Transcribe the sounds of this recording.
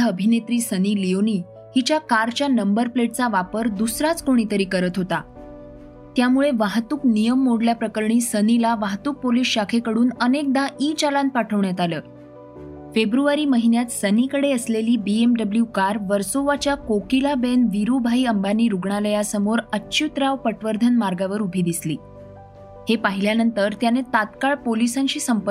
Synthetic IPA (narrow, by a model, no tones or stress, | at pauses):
əbʱinet̪ɾiːsəniːlijoniː | ɦit͡ɕjakaɾt͡ɕjanəmbəɾpleʈ̚t͡saʋapəɾd̪usɾat͡skoɽ̃it̪əɾiːkəɾət̪ɦot̪a̰ | t̪jamuɭeʋaɦt̪uːknijəmːoɽljapɾəkəɾɳiːsənilaʋaɦt̪uːk̚polisɕakʰekəɽuːnənek̚d̪aʔiːt͡ɕalãnt̪̚paʈʰəʋɳjat̪aləː | febɾuʋaɾiːməɦinjat̪sənikəɽeəsleliːbiemɖəbljukaɾʋəɾsoʋat͡ɕjakokilabenʋiɾubʱaiːəmbaniːɾuɡɳaləjasəmoɾəːɕut̪ɾaʋpəʈʋəɾd̪ʱənmaɾɡaʋəɾubʱiːd̪isliː | hepaɦiljanənt̪əɾt̪janet̪at̪kaɭpolisaɲɕiːsəmpə